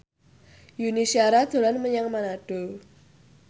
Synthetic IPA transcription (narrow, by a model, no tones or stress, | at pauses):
junisiaɾad̥d̥o̤lanməɲaŋmanaɖ̥o̤